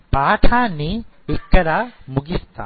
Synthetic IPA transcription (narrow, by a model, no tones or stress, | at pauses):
paːʈʰaːniɪkːɐɾamuɡist̪a̰